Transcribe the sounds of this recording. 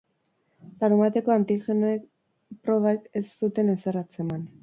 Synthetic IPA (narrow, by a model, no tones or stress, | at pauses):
laɾumat̪e̞ko̞ant̪ixe̞noek | pɾo̞β̞ake̞sːut̪e̞neserat͡se̞man